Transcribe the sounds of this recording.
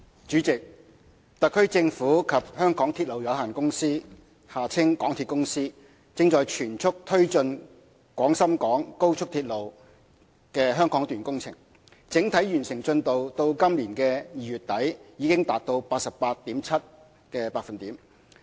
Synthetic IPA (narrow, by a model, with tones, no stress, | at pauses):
t͡ʃyː˨˥t͡sɪ˨k̚ | t̪ɐ˨kʰːɵ˥t͡sɪ˧ŋfuː˨˥kʰɐ˨p̚hœː˥ŋkɔː˨˥ŋt̪ʰi˧t̚lo˨wjɐ˨˧wɦaː˨˩nkʊ˥ŋsiː˥ | haː˨t͡sʰɪ˥ŋkɔː˨˥ŋt̪ʰiː˧t̚kʊ˥ŋsiː˥ | t͡sɪ˧ŋt͡ʃɔː˨jt͡ʃʰyː˨˩nt͡ʃʰʊ˥k̚t̪ʰɵ˥ɥt͡ʃɵ˧n | kwɔː˨˥ŋsɐ˥mkɔː˨˥ŋko˥wt͡ʃʰʊ˥k̚t̪ʰi˧t̚lo˨w | kɛː˧ɦœː˥ŋkɔː˨˥ŋt̪yː˨nkʊ˥ŋt͡sʰɪ̰˨˩ŋ | t͡sɪ˨˥ŋt̪ʰɐ˨˥jɥyː˨˩nsɪ˨˩ŋt͡sɵ˧nt̪o˨wt̪o˧wkɐ˥mliː˨˩nkɛː˧jiː˨˩jyː˨t̚t̪ɐ˨˥jjiː˨˧kɪ˥ŋt̪aː˨t̚t̪o˧wpaː˧t̚sɐ˨ppaː˧t̚t̪ːiː˨˥mt͡sʰɐ˥t̚ | kɛː˧paː˧k̚fɐ˨nt̪iː˨˥m